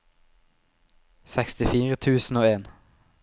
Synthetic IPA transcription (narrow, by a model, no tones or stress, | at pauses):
sɛkst̪ɪfiːʁət̪ʰʉːsn̩oːeːn